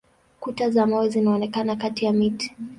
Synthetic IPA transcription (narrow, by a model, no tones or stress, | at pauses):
kutazamaɛzinaɔnɛkanakatijamiti̥